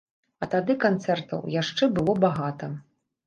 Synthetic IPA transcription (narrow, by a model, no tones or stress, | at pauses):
ɐt̪ad̪ɨkant̪sɛrt̪ɐ̰wjaʂt͡ʂɛbɨlˠɔbaɣat̪ɐ